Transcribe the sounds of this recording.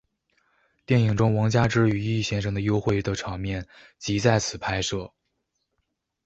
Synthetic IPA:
t̪jɛ˥˩ni˨˩ŋʈ͡ʂʊ˥ŋwɑ˧˥ŋt͡ɕja˥ʈ͡ʂɻ̩˥y˨˩i˥˩˧ɕjɛ˥nʂ̬ɤ˥ŋd̪ə˨˧jo˥ʊxwe˥˧ɪt̪ə˥˩ʈ͡ʂʰɑ˨˥ŋmjɛ˥˩n | t͡ɕi˧˥t͡sa˥˩ɪt͡sʰɹ̩˨˩pʰa˥ɪʂɤ˥˩

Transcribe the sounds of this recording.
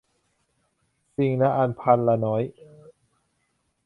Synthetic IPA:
si˧ŋna˦˥ʔa˧npʰa˧nla˧nɔː˦˥j

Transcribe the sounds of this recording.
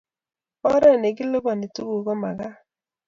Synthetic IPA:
ɔ˦ɾɛ˦˨ne˨ɡɪ˦lo˦bɔ˨ni˨tu˦ɡu˨ɡɔ˦ma˨ɡa˦

